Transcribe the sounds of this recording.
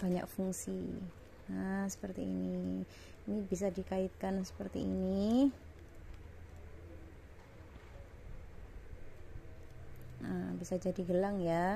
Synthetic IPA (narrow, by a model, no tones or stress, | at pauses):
b̥aɲa̰k̚fuŋsḭ | əsə̥pərt̪ḭːni | nibis̬adikait̪̚kansə̥pərt̪ḭḭni | əbisad͡ʒadiɡəlaŋja